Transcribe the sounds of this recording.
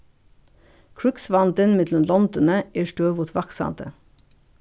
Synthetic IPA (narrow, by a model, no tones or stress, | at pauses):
kʰɹʉksʋɑnd̪ənmɪd̪lɔmlɔnd̪ənəeːʃʈøːʋʊːt̪ʰʋɑksɑ̰ːnt̪ə